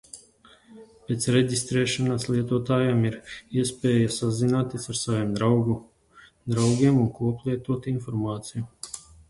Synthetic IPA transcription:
pʲeːt̪sɾeɟʲist̪ɾɛːʃanaslˠiɛt̪uɔt̪aːjamiɾiɛspʲɛːjasazinaːt̪ʲiːsaɾsavʲeːmd̪ɾawɡu | d̪ɾawɡʲiɛmunkuɔplˠiɛt̪uɔt̪infɔɾmaːt̪siju

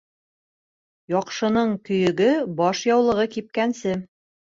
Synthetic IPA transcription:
jɒqʃɤ̆nɤɴkɵ̆jɵ̆ɡɘbɑʃjɑwlˠɤ̆ʁɤkip̚kænsɘ

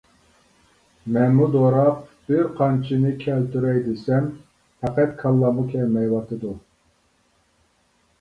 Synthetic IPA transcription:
mɛnmud̪oɾɑq̚b̥ɪɾqʰɑnt͡ʃʰinɪkʲʰɛlt̪ʰyɾɛjd̪ɪsɛm | hʰæqæt̪̚kʰɑlˠːɑmukʲʰɛlmɛjwɑt̪ʰɨd̪u

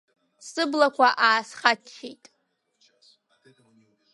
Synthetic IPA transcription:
sɨblakʷʰaʔaːsχat͡ʃʰːejtʼ

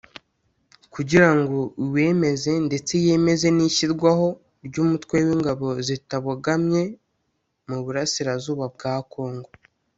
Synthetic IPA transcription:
kuɟiɾaŋɡo̞we̞ːme̞ze̞nde̞t͡se̞je̞me̞ze̞niçiɾɡwaho̞ | ɾɟuːmutwe̞wiːŋɡaβo̞zitaβuɡamɲe̞ | muβuɾasiɾazuːβab̚ɡaːko̞ːŋɡo̞

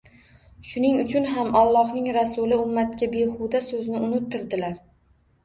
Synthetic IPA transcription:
ʃʊnɪŋʊt͡ʃʰʊnɦamɒlˠːɒhnɪŋɾasʊlɪʊmːat̪kʲabeχʊd̪asɵznɪʊnɪt̪ʰːɪɾd̪ɪlaɾ

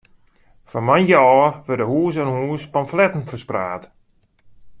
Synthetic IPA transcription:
fɔnmanjəɔːʋədəhuːs̬ənhuːspamflɛtən̩fərspra̰ːt

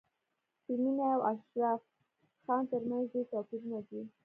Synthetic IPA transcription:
siminawaʃɾɑf | xɑnt̪əɾmanzd̪et̪ɑpiɾunad̪i

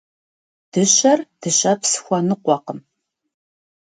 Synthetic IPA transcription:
d̥ɨɕɐrd̥ɨɕɐpsɨ̥xʷɔnɨqʷɔqəm

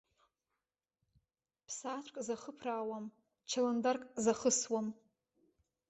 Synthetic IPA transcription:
pʰsat͡ʃʷʼkʼzaχəpʰraːwam | t͡ʃʰalandarkʼzaχəswam

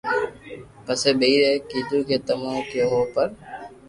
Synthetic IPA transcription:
pəseːɓeiːɾeːkiːd̪uːkeːt̪əmãːkɪoːɦoːpəɾ

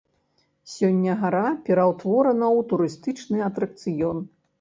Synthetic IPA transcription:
sʲɔnʲːɐɣaɾapʲɛɾɐwt̪vɔɾɐnɐwt̪uɾɨst̪ɨt͡ʂnɨɐt̪ɾɐk̚t̪sɨjɔn

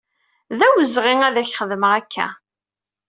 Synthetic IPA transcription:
ðæwəzʁɪŋæðæçχəðəməʁækʰːæ̰

